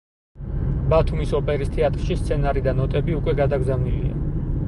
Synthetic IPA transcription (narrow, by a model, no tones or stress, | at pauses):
bat̪ʰumisɔpʼɛɾist̪ʰɛat̪ʼɾʃist̪sʰɛnaɾid̪anɔt̪ʼɛbiukʼwɛɡad̪aɡzavnilḭa̰